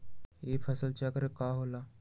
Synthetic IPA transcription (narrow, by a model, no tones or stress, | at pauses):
eːfɐsəlt͡ʃaːkəɾekaːɦoːlaː